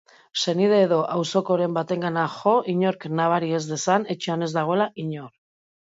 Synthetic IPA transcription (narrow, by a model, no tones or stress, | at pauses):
se̞nið̞e̞ːðo̞ʔawso̞ko̞ɾe̞mbat̪e̞ŋɡanaxo̞iɲo̞ɾknaβ̞aɾie̞zðe̞sane̞t͡ʃeane̞zd̪aɣ̞o̞elaʔiɲo̞ɾ